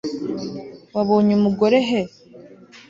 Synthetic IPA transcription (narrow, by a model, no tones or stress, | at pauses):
waβoːɲumuɡo̞ɾeɦe